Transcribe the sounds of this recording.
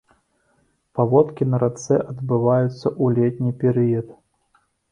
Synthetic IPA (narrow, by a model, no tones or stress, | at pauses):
pavɔt̪kʲinɐɾat̪sɛʔɐd̪bɨvajut̪sːɐʔulʲɛt̪ʲnʲipʲɛɾɨjɐt̪